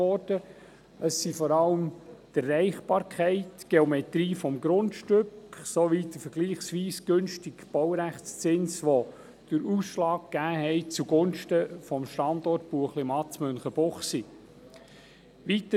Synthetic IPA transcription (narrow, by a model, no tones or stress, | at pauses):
ɔrd̥ə | əsːifɔɾɑləmtærːɛɪχb̥ɑːɾkʰɛɪtɡ̥eɔmɛt̪ɾiːfɔmɡɾʊntʃtʏksoʋiːtəfəɡ̥liːχsʋiːsɡ̥ɵnʃtɪɡb̥ɔwɾæχt͡st͡sɪnsʋo | d̥əɾuːsʃlɑːk̚ɡ̥æːɦɛɪt͡suɡʊnʃtəfɔmʃtɑndɔrt̚puəχlɪmɑt͡smønχəb̥ɔχsi | ʋit̪ə